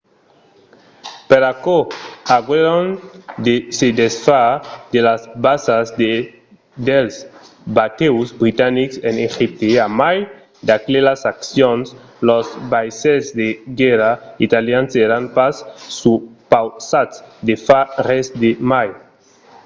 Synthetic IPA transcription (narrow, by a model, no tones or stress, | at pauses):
peɾakoaɡweɾond̪esed̪esfad̪elazbasazd̪e | d̪els | bat̪ewzbɾit̪aniksenexip̚t̪eamaj | d̪aklelasaksjons | lozbajsezd̪eɡɛɾait̪aljanseɾanpasːupawsatsd̪efaresd̪emaj